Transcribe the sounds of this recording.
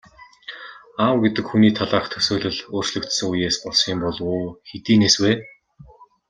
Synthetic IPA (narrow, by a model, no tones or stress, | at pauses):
awɡet̪ɘ̆kxuniːt̪ʰaɮaːχt̪ʰɵ̥soːɮɘ̆ɮoːr̥t͡ɕɮɵ̆kt̪sɵ̆ŋujeːspɔɮsiːmpɔɮʊːxet̪iːneːsweː